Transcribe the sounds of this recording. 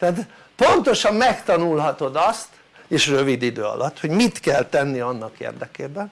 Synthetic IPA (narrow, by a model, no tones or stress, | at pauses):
t̪ɛːt̪ | po̞nt̪o̞ʃɒmːɛkt̪ɒnulɦɒt̪o̞d̪ɒst̪ | eːʃrø̞vid̪id̪øːɒ̰lʔɒt̪ho̞ɟmit̪kɛlt̪ɛnːiɒnːɒkḛːrd̪ɛkeːbɛn